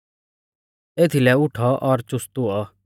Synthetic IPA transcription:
eːt̪ʰilɛʊʈʰɔʔɔɾt͡ʃʊst̪uɔ

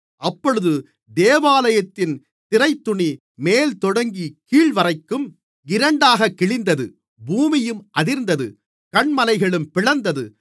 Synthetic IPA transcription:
ɐpːɔɻɯðɯ | d̪eːʋaːlɐjɐt̪ːɪn | t̪ɪrɐɪt̪ːʊɳi | meːlt̪ɔɽɐŋɡikiːɭʋɐrɐɪkːɯm | ɪɾɐɳɖaːɣɐkːɪɭɪnd̪ɐðɯ | buːmɪjɯmʔɐðɪɾnd̪ɐðɯ | kɐɳmɐlɐɪɣɐɭɯmpɪɭɐnd̪ɐðɯ

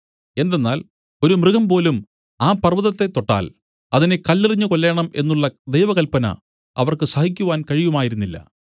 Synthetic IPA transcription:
e̞nd̪e̞nːaːl | o̞ɾumrɨɣɐmpo̞ːlum | aːpɐrʋɐðɐt̪ːe̞t̪ːo̞ʈːa̰ːl | ɐðine̞kɐlːiriɲːukolːe̞ːɳɐme̞̰nːuɭːɐd̪e̞jʋɐɣɐlpɐnɐ̰ | ɐ̰ʋɐrkɨsɐhikʲːuʋaːnkɐɻijumaːjiɾunːilːɐ̰

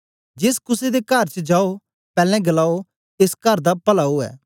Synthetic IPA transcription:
d͡ʒɪskʊsed̪ekɐɾt͡ʃəd͡ʒaːo | pɛːlɛ̃ɡɐlaːo | eskɐɾd̪apɐlaːoɛ̰ː

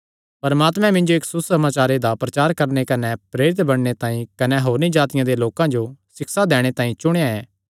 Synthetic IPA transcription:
pɐɾmaːt̪mɛ̃mɪ̃nd͡ʒoeːksʊsɐmaːt͡ʃaːɾed̪apɾɐt͡ʃaːɾkɐɾnekɐnepɾeːɾɪt̪bɐɽ̃net̪ãːĩkɐneɦoːɾnid͡ʒaːt̪ɪjãd̪eloːkãd͡ʒosɪkʰsad̪ɛːɽ̃et̪ãːĩt͡ʃʊɽ̃ejaɛː

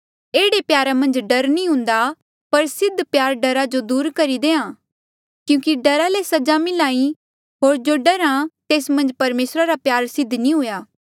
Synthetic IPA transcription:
eːɽepjaːɾamɐ̃nd͡ʒɖɐɾnĩɦʊ̃nd̪a | pɐɾsɪd̪ʱːpjaːɾɖɐɾad͡ʒod̪uːɾkɐɾid̪eːãː | kjũːkiɖɐɾalesɐd͡ʒamɪlaːĩ | ɦoːɾd͡ʒoːɖɐɾãt̪eːsmɐ̃nd͡ʒpɐɾmeːsɾaɾapjaːɾsɪd̪ʱːnĩɦʊjaː

